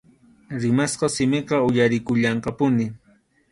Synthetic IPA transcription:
ɾɪmasqɑsɪmɪqɑʊjaɾɪkʊʎɑɴqɑpʊnɪ

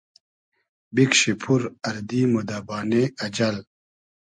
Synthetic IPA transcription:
bikɕipʰuɾɐɾd̪iːmod̪aːbaːneɐd͡ʑɐl

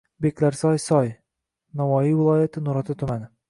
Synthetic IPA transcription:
bekʲʰlaɾsɒjsɒj | navɒjivɪlˠɒjat̪ʰɪnʊɾɒt̪ʰɪt̪ʰʊmanɪ

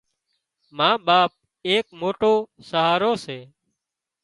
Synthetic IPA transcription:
mãːɓaːp̚ | eːkmoːʈoːsəɦaːɾoːseː

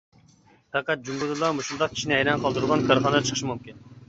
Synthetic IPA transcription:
t̪ʰɑqɑt̪̚d͡ʒumɡuzlˠɑmuʃund̪ɑq̚kʲʰi̥ʃinɪɛjɾɛnqʰɑlˠd̪uɾʁɑnkʰʲɑɾχɑnɨd̪ɑt͡ʃʰə̥qʰəʃmumkʲin

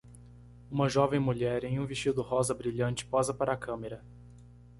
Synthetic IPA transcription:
ũmɐʒɔvẽj̃muʎɛɾẽj̃ũviʃt͡ʃid̪ʊhɔzɐbɾiʎɐ̃nt͡ʃɪ̥pɔzɐpaɾɐːkɐ̃meɾɐ

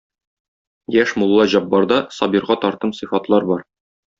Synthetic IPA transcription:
jæʃmulˠːɑʑɒbːɑɾd̪ɑsɒbiɾʁɑt̪ɒɾt̪ɤmsɨ̆fɑt̪lˠɑɾbɒɾ

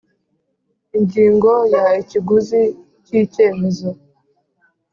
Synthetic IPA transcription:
iɲɟiːŋɡojaiciɡuzi | cice̞ːmezo

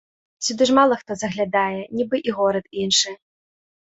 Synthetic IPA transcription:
sʲud̪ɨʐmalˠɐxt̪ɔzɐɣlʲad̪ajɛnʲibɨʔiɣɔɾɐt̪inʂɨ

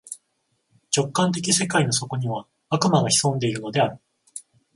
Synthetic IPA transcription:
t͡ɕo̞kːãnt̪̬e̞k̬ʲise̞kaino̞so̞ko̞ɲ̟iβ̞a | akɯ̟maɡaçi̥sõ̞nd̪e̞iɾɯ̟no̞d̪e̞aɾɯ̟

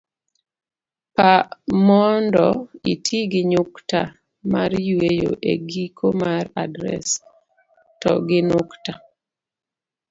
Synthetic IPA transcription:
pamɔndɔitʰiɡɪɲukta | maɾjwejo̰ʔḛɡikʰomaɾadɾɛ̰s | tɔ̰ɡɪnʊkta

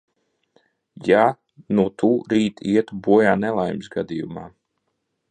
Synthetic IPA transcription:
ja | nuɔt̪ʰuːɾiːt̪iɛt̪ubuɔjaːnɛlˠajmsɡad̪ijumaː

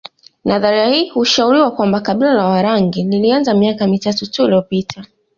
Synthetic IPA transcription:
naðaɾahiːhuʃauɾiwakwambakaɓilalawaɾaŋɡinilianzamiakamitatutuiliɔpitʰa

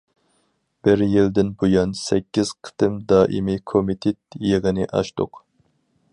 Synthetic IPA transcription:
b̥ɪɾjild̪ɪnbojɑnsɛkʲːiz̥qʰə̥t̪ɨmd̪ɑːʔimikʰomit̪ʰet̪̚jeʁənɪʔɑ̰ʃt̪ʊ̰q

